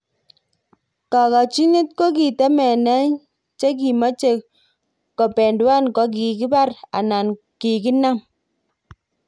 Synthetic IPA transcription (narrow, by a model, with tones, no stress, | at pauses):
ka˨ka˨t͡ʃi˦ni˦t̚ko˦k̬i˨tɛ˦mɛ˨nɛ˦ɲ | t͡ʃe˦k̬i˨ma˦t͡ʃe˦˨ | kɔ˨pɛ˨ndwa˦nkɔ˨k̬i˨ki˦ba˦ɾa̰˨na˨n | ki˨ki˦na˦m